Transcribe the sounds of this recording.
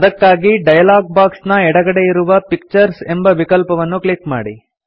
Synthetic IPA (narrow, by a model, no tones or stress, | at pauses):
d̪ɐkːaːɡiɖɐjɐlaːɡ̚baːksnɐɛɽɐɡɐɽe̞iɾuʋɐpik̚t͡ʃɐɾse̞mbɐʋikɐlpɐʋɐnːukɭikma̰ːɽḭ